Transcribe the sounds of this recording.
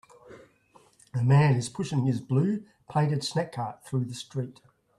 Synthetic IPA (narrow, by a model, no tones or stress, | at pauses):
əmæ̃nɪz̥pʰʊʃɪ̃ŋɪzblʉː | pʰẽɪ̃ɾɨd̥snækʰːɑˑt̪̚θɹʉːðəstɹ̥iˑt